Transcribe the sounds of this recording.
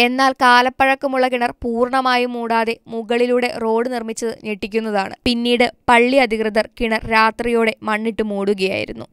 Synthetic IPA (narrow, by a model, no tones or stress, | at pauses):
e̞nːaːlkaːlɐpːɐɻɐkːumuɭːɐkiɳɐrpuːrɳɐmaːjumuːɽaːðe̞muɣɐɭiluːɽe̞̰ro̞ːɽɨnirmit͡ɕːɐðɨneʈːikʲːunːɐðaːɳɨ̰pinːiːɽɨpɐɭːiɐd̪ʱikrɨd̪ɐrkiɳɐrɾaːt̪rijoːɽe̞mɐɳːiʈːɨmuːɽuɣɐja̰ːjḭɾunːṵ